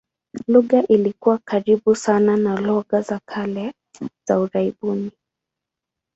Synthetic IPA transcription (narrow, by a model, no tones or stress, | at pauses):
luɣaʔilikuwakaɾiɓusananalɔɣazakʰalɛ | z̥auɾaiɓuni